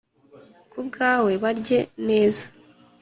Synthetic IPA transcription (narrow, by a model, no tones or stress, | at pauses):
kubɡaːwe̞βaɾɟe̞ne̞ːzḁ